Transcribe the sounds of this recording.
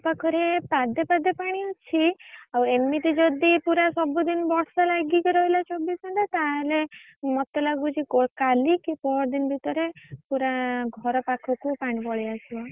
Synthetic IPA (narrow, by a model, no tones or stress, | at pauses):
pakʰɔɾepad̪epad̪epaɽ̃iut͡ʃʰiawemit̪id͡ʒɔd̪ipuɾasɔbud̪inbɔɽsalaɡikɔɾɔilat͡ʃɔbisɔɳʈ̪at̪aɦele | mɔt̪elaɡbut͡ʃʰikɔkalikipɔɾd̪inbʱit̪ɔɾepuɾaɡʱɔɾɔpakʰɔkupaɽ̃ibɔɭiasibɔ